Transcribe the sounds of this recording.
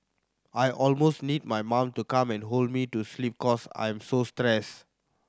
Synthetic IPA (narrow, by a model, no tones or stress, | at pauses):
ʔajʔɔlmosnid̚majmãmtukãmɛ̃nɦold̚mituslip̚kɔsã̰j̃msostɹɛs